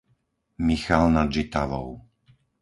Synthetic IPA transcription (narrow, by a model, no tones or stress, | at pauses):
mixalnad͡ʒit̪aʋɔ̰ʊ